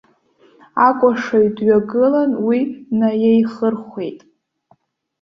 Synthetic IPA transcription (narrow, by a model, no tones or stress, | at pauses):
akʷʼaʂaɥdɥaɡɨlanwinajajχərχʷe̞jtʼ